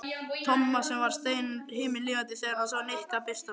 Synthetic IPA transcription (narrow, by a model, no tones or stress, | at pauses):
t̪ʰɔmːasɛmvaɾ̥st̪eːjnɾhɪːmɪlɪːvat̪̬ɪθɛːðaɾhasɔanehkapɪst̪a